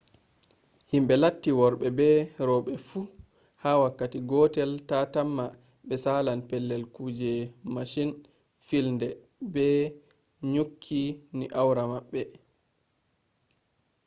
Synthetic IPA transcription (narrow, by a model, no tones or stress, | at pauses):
himɓɛlatːiwɔɾɓɛbɛɾɔɓɛfu | haːwakːatiɡɔtɛltatamːa | ɓɛsalanpɛlːɛlkuːd͡ʒɛmaʃin | filndɛ | bɛ | ɲukʰːiniʔawɾamaɓːɛ